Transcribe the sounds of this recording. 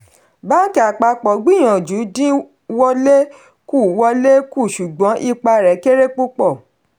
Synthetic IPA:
baː˦ki˨˦a˨k͡pa˧k͡pɔ˨ɡ͡bĩ˦˨j̃ã˨d͡ʒu˨˦dĩ˦ | wɔ˦le˦ | ku˦˨wɔ˧le˦ku˦˨ʃu˨ɡ͡bɔ̃˨˦ʔi˧k͡pa˧ɾɛ˨˦ke˦ɾe˦k͡pu˦k͡pɔ˦˨

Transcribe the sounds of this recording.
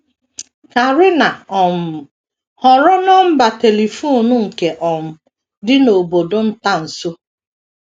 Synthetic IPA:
ka˨ɾɪ˦na˨ɔ˨m̩˨ | hɔ˨ɾɔ˦nɔ˦m̩˦ba˨te˨li˨fu˦˨nʊ˦ŋ̩˨ke˨ʔɔ˨m̩˨ | dɪ˦no˨bo˨do˦n̩˦ta˦n̩˨so˦

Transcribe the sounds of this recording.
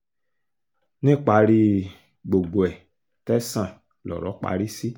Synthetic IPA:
nĩ˦k͡pa˧ɾi˧ | ɡ͡bo˨ɡo˨ɛ˨ | tɛ˦sã˦˨ | lɔ̰˨ɾɔ˨˦k͡pa̰˧˦ɾi˦si˦

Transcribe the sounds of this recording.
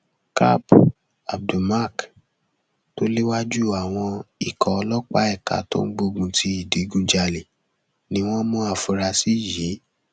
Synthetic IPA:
ka̰˦b | a˨b̚du˨ma˦˨k | to˦le˦wa˦d͡ʒu˦˨a˨w̃ɔ̃˧i˨kɔ˨ɔ˧lɔ˦k͡pa˦ɛ˦˨ka̰˨˦to̰˦n̩˦ɡ͡bo˧ɡũ˧ti˧i˨di˨˦ɡũ˧˦d͡ʒa˧li˨ | nĩ˨˦w̃ɔ̃˦mũ˦a˦˨fu˧ɾa˧si˦˨ji˨˦

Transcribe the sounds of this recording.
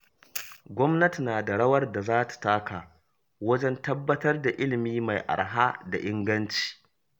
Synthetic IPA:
ɡʷɔ˦mnɐ˦ti˨naː˨da˨ɽɐ˦wɐ˦rda˨zaː˦tḁ˨taː˦kaː˨ | wɐ˦d͡ʒɛ˦ntɐ˦bːɐ˦tɐ˦rda˨ʔɪ˦lɪ˨miː˦ma˨jʔa̰˨ɽɦa˦da̰˨ʔɪ˦ŋɡɐ˦nt͡ʃi̥ː˨

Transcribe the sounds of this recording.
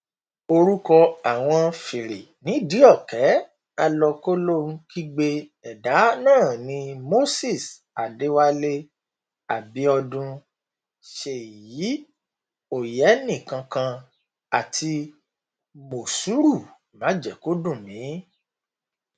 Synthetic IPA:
o˧ɾu˦kɔ˧a˨w̃ɔ̃˧fi˨ɾe˨nĩ˨˦di˨˦ɔ˦˨kɛ˨˦ | a˧lɔ˧ko˦lõ˦˨˧kʰi˦ɡ͡be˦ɛ˨da˨˦nãː˦˨nĩ˧˦mo˦si˦˨s | a˨de˨˦wa˦le˦ | a˨bi˨˦ɔ˧dũ˧ | ʃe˨ji˨˦ | o˨jɛ˨˦nĩ˦˨kã˧kã˧ | a˨tʰi˧ | mo˨su˨˦ɾu˦˨ | mã˨˦d͡ʒɛ˨ko˦dũ˦˨nĩ˨˦

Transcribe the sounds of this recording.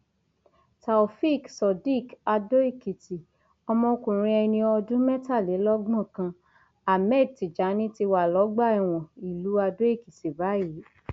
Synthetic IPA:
ta˨fi˦˨ksɔ˨di˦˨ka˧do˦i˦˨ki˨ti˨ | ɔ˧mɔ̃˧o˧kũ˨ɾ̃ĩ˧˦ɛ˧nĩ˧ɔ˧dũ˦mɛ˦ta˦˨le˨˦lɔ˦ɡ͡bɔ̃˦˨kã˧ | a˨mɛ˦˨d̚ti˨d͡ʒa˨˦nĩ˦ti˧wa˨lɔ˨˦ɡ͡ba˦˨ɛ˨w̃ɔ̃˨i˨lu˨˦a˧do˦i˦˨ki˨ti˨ba˨˦ji˨˦

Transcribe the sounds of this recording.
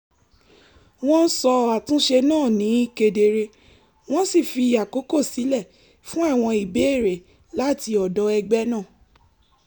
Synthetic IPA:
w̃ɔ̃˦n̩˦sɔ˧a˨tũ˦ʃe˧nãː˦˨nĩ˨˦i˦˨ke˧de˧ɾe˧ | w̃ɔ̃˦si˦˨fi˧˨ja˨ko˨˦ko˦˨si˨˦lɛ˦˨ | fũ˦a˦˨w̃ɔ̃˧i˨be˨˦e˦˨ɾe˨ | la˦˨ti˧ɔ˨dɔ˨˧˦ɛ˧ɡ͡bɛ˦nãː˦˨

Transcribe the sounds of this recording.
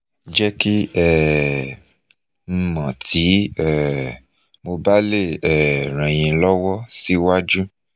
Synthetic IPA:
d͡ʒɛ˦ki˦ɛ˦˨ | m̩˧mã˨tʰi˨˦ɛ˦˨ | mo˧ba˦le˦˨ɛ˦˨ɾ̃ã˨j̃ĩ˧lɔ˦wɔ˦si˦wa˦d͡ʒu˦

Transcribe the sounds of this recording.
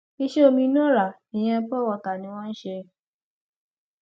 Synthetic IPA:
e˦ʃe˦o˧mĩ˧n˦ɔ̃˦la˨ | e˨j̃ɛ̃˧pɔ˦wɔ˧ka˨nẽ˨wɔ̃˦ʃɛ˧

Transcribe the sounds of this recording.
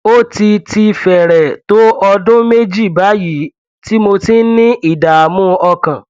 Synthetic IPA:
o˦ti˧ti˧fɛ˨ɾɛ˨to˦ɔ˧dʊ̃˦me˦d͡ʒi˦˨ba˨˦ji˨˦ | ti˦mo˧tĩ˦n̩˦nĩ˦i˦˨da˨a˨mũ˦ɔ˧kã˨

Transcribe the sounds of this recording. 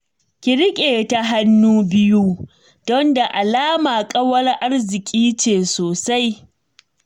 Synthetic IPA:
kʲɪ˨ɽɪ˦kʲʼeː˨ta˦ɦa˦nːuː˦bɪ˦ju˦ | dɔ˦nda˨ʔa˨laː˦maː˨kʼɐ˦wɐ˦rʔa˦rzɪ˨kʲʼiː˦t͡ʃeː˨soː˨sa˦j

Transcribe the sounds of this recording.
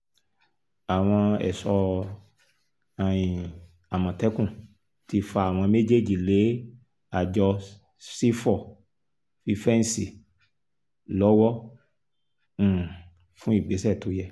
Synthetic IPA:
a˨w̃ɔ̃˧ɛ̰˨sɔ˧ | a˨j̃ĩ˨ | a˨mã˨tɛ˦kũ˦˨ | ti˧fa˧˦a˨w̃ɔ̃˧me˦d͡ʒe˦˨d͡ʒi˨le˨˦ | a˨d͡ʒɔ˧ | si˦fɔ˨ | fi˧fɛ˦n˦si˨ | lɔ˨˦wɔ˦˨ | fũ˦i˦˨ɡ͡be˨˦sɛ˦˨to˨˦jɛ˧

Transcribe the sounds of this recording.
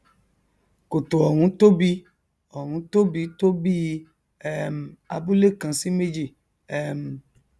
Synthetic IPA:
ko˨to˨ɔ˨ɾ̃ũ˨˦to˦bi˧˦ | ɔ˨ɾ̃ũ˨˦to˦bi˧˦to˦bi˦ | ɛ˦m̩˨a̰˧bu˦le˦˨kã˧si˦me˦d͡ʒi˦˨ | ɛ˦m˨

